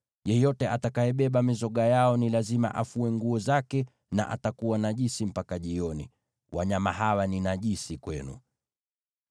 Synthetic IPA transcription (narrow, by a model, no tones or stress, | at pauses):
jɛjɔtɛʔatakajɛɓɛɓamizɔɠajaɔnilazima̰ʔafuɛŋɡuɔzakɛ | na̰ʔa̰takuwanaʄisim̩pakaʄiɔnḭ | waɲamaɦawaninaʄisikwɛnṵ